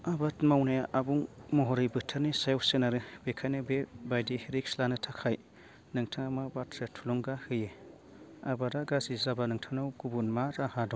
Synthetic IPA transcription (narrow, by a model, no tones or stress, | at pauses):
abatmawnajaʔabuŋmɔɦɔɾijbɯtʰaɾnisajɔwsɯnaɾɯbekʰajnɯbebajdiheɾikslanɯtʰakʰaj | nɯŋtʰaŋamabatʰɾetʰulɔŋɡahɯje | abadaɡazizabanɯŋtʰanawɡubunmaɾahadɔŋ